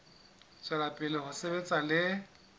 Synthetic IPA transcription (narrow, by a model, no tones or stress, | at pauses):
t͡sʼwɛlapʼɪlɪhʊsebet͡sʼalɪ